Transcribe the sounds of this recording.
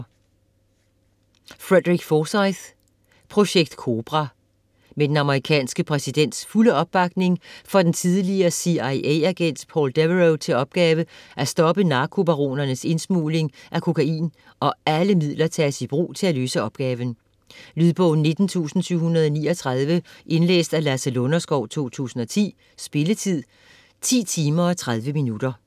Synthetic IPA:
fʁed̥ʁiɡ̥fɒːsɑɪð̥ | pʰʁo̝ɕeɡ̥̚d̥kʰo̝ːb̥ʁɑ | med̥enɑ̈məʁikʰɛ̰ːnsɡ̥əpʰʁɛsid̥en̰d̥sfuləɒ̽b̥ːɑ̈ɡ̥ne̝ŋfɒ̽d̥ent͡sʰið̞ˠliɐsiɑɪʔeæɡ̥en̰d̥pʰɒ̰ːld̥eʋʁoʊt͡sʰe̝lɒ̽b̥̚ɡ̥ɛːʋəʔæsd̥ɒ̽b̥ənɑ̈ːkʰo̝b̥æʁo̝̰ːnɐnəse̝nsmṵːle̝ŋʔækʰo̝kʰæḭːn | ʔɒ̽æləmið̰ˠlɐt͡sʰɛːsib̥ʁṵːt͡sʰe̝æløːsəɒ̽b̥̚ɡ̥ɛːʋən̩ | lyðˠb̥ɔ̽ʊn̩ne̝d̥n̩t͡sʰṵːsn̩syʊ̰hunɐðˠɒniːɒt͡sʰʁɑð̞ˠʋəʔe̝nlḛːsd̥ælæsælo̝nɐsɡ̥ɒʊ̰t͡sʰo̝̰ːt͡sʰṵːsn̩ɒ̽t͡sʰḭː | sb̥e̝lət͡sʰið̰ˠ | t͡sʰḭːt͡sʰiːmɐ̽ːt͡sʰʁað̞ˠʋəminud̥ɐ

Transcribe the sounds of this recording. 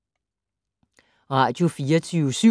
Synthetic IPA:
ʁɑ̈d̥jofiːɐt͡sʰyʊsy

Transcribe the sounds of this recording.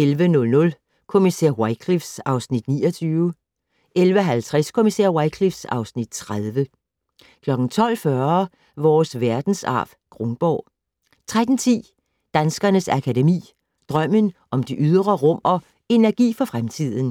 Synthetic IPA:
elʋənɔ̽lnɔ̽l | kʰo̝miseɐ̰waɪkʰlifsɑ̈ʊsnid̥niːɒt͡sʰyːʊə | elʋəɦælt͡sʰʁaskʰo̝misḛɐ̰wɑ̈ɪkʰlifsɑ̈ʊsnid̥t͡sʰʁaðˠʋə | kʰlɒ̽ɡ̥n̩t͡sʰɒ̽l̰fɶɐ | ʋɒːsʋæɐd̥n̩sɑ̰̈ːʋ̥ | ɡ̥ʁɔŋb̥ɒ̰ː | t͡sʰʁad̥n̩t͡sʰḭː | d̥ænsɡ̥ɐnəsækʰædemḭː | d̥ʁɶm̰ənʔɒ̽md̥iʔyð̞ˠʁɐʁɔ̽mɒ | e̝næɐɡ̥ḭːfɒ̽fʁamt͡sʰið̞̰ˠn̩

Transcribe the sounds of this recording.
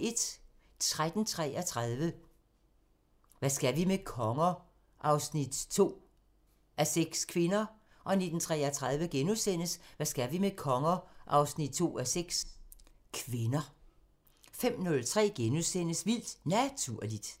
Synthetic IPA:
e̝d̥ | t͡sʰʁad̥n̩t͡sʰʁɛ̰ːɐt͡sʰʁaðˠʋə | ʋæsɡ̥æʋimekʰɒ̽ŋɐ | ʔɑ̈ʊsnid̥t͡sʰo̝̰ː | ʔæseɡ̥skʰʋe̝nɐ | ʔɒ̽ne̝d̥n̩t͡sʰʁɛ̰ːɐt͡sʰʁað̞ˠʋəɡ̥enusen̰əsʋæsɡ̥æʋimekʰɒ̽ŋɐʔɑ̈ʊsnid̥̚t͡sʰo̝̰ːæseɡ̥s | kʰʋe̝nɐ | fem̰nɔ̽lt͡sʰʁɛ̰ːɡ̥enusen̰əsʋil̰d̥næt͡sʰuɐ̰lid̥

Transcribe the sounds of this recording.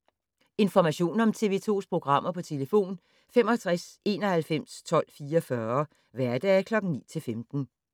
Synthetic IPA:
e̝nfɒmæɕo̝̰ːnɒ̽mt͡sʰe̝ʋe̝̰ːt͡sʰo̝̰ːspʰʁo̝ɡ̥ʁɑ̈m̰ɐpʰɒ̽t͡sʰe̝ləfo̝̰ːn | femɒt͡sʰʁase̝ːnɒ̽hælfem̰st͡sʰɒ̽l̰fiːɒfɶɐ | ʋæɐd̥ɛkʰlɒ̽ɡ̥ŋ̩nḭːt͡sʰe̝lfemd̥n̩

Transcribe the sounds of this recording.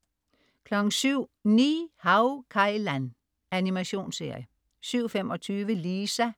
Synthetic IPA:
kʰlɒ̽ɡ̥ŋ̩syʊ̰nḭːhɑʊkʰɑ̈ɪlæn | ænimæɕo̝̰ːnse̝ɐ̰jə | syʊ̰femɒ̽t͡sʰyːʋəliːsæ

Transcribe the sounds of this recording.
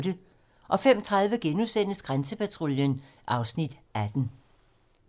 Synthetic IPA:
d̥ə | ʔɒ̽fem̰t͡sʰʁað̞ˠʋəɡ̥enusen̰əsɡ̥ʁansəpæt͡sʰʁoljən | ʔɑ̈ʊsnid̥æd̥n̩

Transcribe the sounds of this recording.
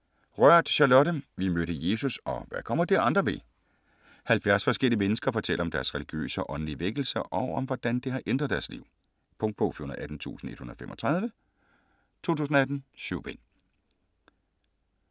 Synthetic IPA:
ʁɶɐ̰d̥ɕɑlɔɾ̥əmʋimøɾəje̝ːsusɒ̽ʋækʰɒ̽m̰ɐd̥iʔɑ̈nd̥ʁɐʋe̝ | hælfjæɐsfɒ̽sɡ̥el̰iəmenəsɡ̥ɐfɒ̽t͡sʰel̰ʔɐɒ̽md̥æɐsʁɛliɡ̥jø̰ːsəɒ̽ʔɒ̽nliʋeɡ̥l̩sɐʔɒ̽ʊɒmʋɒd̥ænd̥eɦɑ̈ʔend̥ʁɐðˠd̥æɐslḭʊ̰ | pʰɔ̽ŋd̚pʰɔ̽fyhonɐð̩ˠæd̥n̩t͡sʰṵːsn̩e̝d̥hunɐðˠfemʔɒ̽t͡sʰʁɑ̈ð̞ˠʋə | t͡sʰo̝̰ːt͡sʰuːsn̩ɒæd̥n̩ɕyʊ̰b̥en

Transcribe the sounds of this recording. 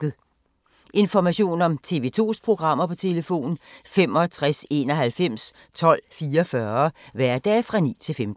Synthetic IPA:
ð̩ˠ | ʔe̝nfɒmæɕo̝̰ːnɒ̽mt͡sʰe̝ʋe̝t͡sʰo̝̰ːspʰʁo̝ɡ̥ʁɑ̈m̰ɐpʰɒ̽t͡sʰe̝ləfo̝̰ːn̩fem̰ɒ̽t͡sʰʁase̝ːnɒ̽ɦælfem̰s | t͡sʰɒ̽l̰fiːɐfɶɐʋæɐ̰d̥ɛ̰ːfʁɑ̈nḭːt͡sʰe̝lfemd̥̩

